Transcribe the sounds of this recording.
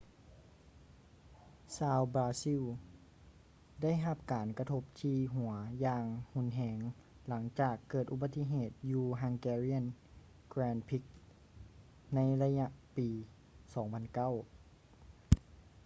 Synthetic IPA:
saː˧wbɾaː˧si˧˥˨ | da˥˩˨jɦa˧p̚kaː˨˩nka˧t̪ʰo˧˥p̚t̪ʰiː˧ɦu˨˩˦ɐjaː˧ŋhu˧˥˨nɦɛː˧ŋ | la˩˦ŋt͡ɕaː˨˩kːɤː˨˩t̪̚ʔu˧ba˧t̪ːi˧˥˨ɦeː˨˩t̪̚juː˧ɦa˧ŋkɛː˧ɾi˧˥˨n | kɾɛː˧npʰi˧˦˥k̚ | na˧˥jla˧ɲa˧ʔpiː˨ | sɔː˩˦ŋpʰa˧nka˥˩˨w

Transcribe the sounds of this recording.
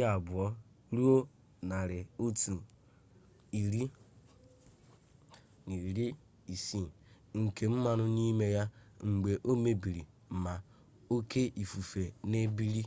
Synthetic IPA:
a˨bʊ˨ɔ˦ | ɾu˦o˦ | na˨ɾɪ˨o˦tu˨ | i˨ɾi˦ | ni˨ɾi˦ | i˨si˦˨ | ŋ̩˨ke˨m̩˦ma˨nʊ˦ni˦me˦ja˦ŋ͡m̩˨ɡ͡be˨ʔo˦me˦bi˨ɾi˨ | ma˨ | o˦kʰe˦ʔi˨fu˨fe˨ne˦bi˦ɾi˦

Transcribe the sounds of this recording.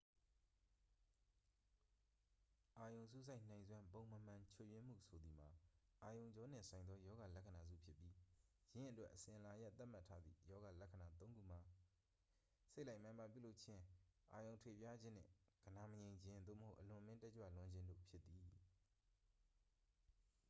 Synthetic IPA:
ʔa˨jõ˨ʊ̃s̬u˦˨s̬ʰa˦ɪʔn̥ã˨ɪ̃nzwã˦mbõ˨ʊ̃mə˨m̥ã˨t͡ɕʰo˨jɥɪ̃˦m̥ṵ˦˨sʰo˨d̪ði˨m̥a˨ʔa˨jõ˨ʊ̃ɲd͡ʑɔ˦n̥ɪ̰̃˦˨sʰã˨ɪ̃nd̪ɔ˦jɔ˦ɡa˨lɛ˦ʔkʰːə˨na˨zṵ˦˨pʰjɪ˦pːji˦jɪ̃˦˨ʔə˨twɛ̰˦ʔəsɪ̃˨ʔə˨la˨ja˦t̪ːa˦ʔm̥a˦˨tʰːa˦d̪ðḭ˦˨jɔ˦ɡa˨lɛ˦kʰːə˨na˨t̪õ˦ŋɡṵ˦˨m̥a˨ | se˦la˦ɪmã˦mba˨pjṵ˦˨lo˦ʊʔt͡ɕʰɪ̃˦˨ʔa˨jõ˨ʊ̃tʰwḛ˦˨pja˦d͡ʑɪ̃˦n̥ɪ̰̃˦˨ɡ̥əna˨məjẽ˨ɪ̃ɲd͡ʑɪ̃˦nd̪o̰˦˨məho˦˨ʔəlʊ̃˨mɪ̃˦tɛ˦ʔt͡ɕwa̰˦˨lʊ̃˦ɲd͡ʑɪ̃˦ndo̰˦˨pʰjɪ˦t̪ːi˨

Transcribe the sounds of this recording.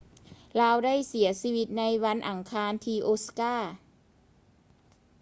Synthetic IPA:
laː˧wda˥˩jsi˩˦ɐsiː˧wi˧t̪̚na˧˥jwa˧˥nʔa˨˩ŋkʰaː˧˥nt̪ʰiː˧ʔoː˧˥skaː˥˩

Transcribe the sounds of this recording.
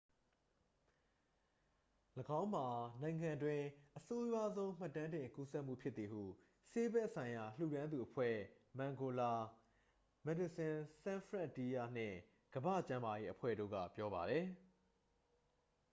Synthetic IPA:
ləɡã˦ʊ̃m̥a˨nã˨ɪ̃ŋã˨ndwɪ̃˨ʔəso˦jwa˦zõ˦ʊ̃m̥a˦˨tːã˦ndɪ̃˨ŋku˦sɛ˦ʔm̥ṵ˦˨pʰjɪ˦t̪t̪θi˨hṵ˦˨ | se˦bɛ˦ʔsã˨ɪ̃ja˨l̥ṵ˦˨ɾã˦nd̪u˨ʔəpʰwɛ̰˦˨ | mã˨ŋɡo˨la˨ | mɛ˨di˨sɪ̃˨sã˦fʰɹã˦˨ti˦ja˦˨n̥ɪ̰̃˦˨ | ɡ̥əbä̰˦˨t͡ɕã˦ma˨je˦ʔəpʰwɛ̰˦˨ɾo̰˦˨ɡä̰˦˨pjɔ˦ba˨ɾɛ˨

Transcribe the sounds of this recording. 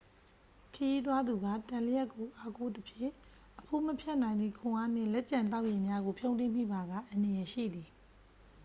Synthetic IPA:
kʰəji˦t̪̬wa˦d̪u˨ɡa˦˨tã˨lə˦jɛ˦kːo˨ʔa˦ko˦˨d̪əpʰjɪ̰̃˦˨ | ʔəpʰo˦˨məpʰjɛ˦ʔnã˨ɪ̃nd̪i˦˨kʰʊ̃˨ʔa˦n̥ɪ̰̃˦˨lɛ˦ʔt͡ɕã˨nt̪̬a˦ʊʔji˨mja˦ɡo˨pʰjõ˦ʊ̃ntɪ̃˦˨m̥ḭ˦˨ba˨ɡa̰˦˨ʔã˨ndə˨jɛ˨ʃḭ˦˨d̪i˨

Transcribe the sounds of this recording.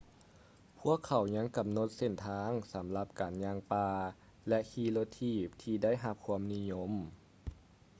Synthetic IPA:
pʰu˧˥˩əkʰːa˨˩wɲa˧˥˨ŋka˨˩mno˧˥t̪̚se˧˩nt̪ʰaː˧˥ŋsa˨˩˦mla˧p̚kaː˨nɲaː˧ŋpaː˧ | lɛ˧ʔhʰiː˧loː˧t̪ʰiː˧˩p̚t̪ʰiː˧da˥˨jɦa˧p̚kʰu˧əmni˧˥ɲo˧˥˨m

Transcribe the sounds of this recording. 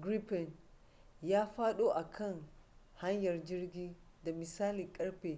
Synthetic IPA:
ɡɾi˦pɛ˨n | jaː˦ɸaː˦ɗoː˦ʔa˨kʰɐ˦˨ŋ | ha˦ɲjɐ˨rd͡ʒɪ˦rɡʲiː˦ | da˨mɪ˨saː˦li˨kʼɐ˦ɽɸeː˨

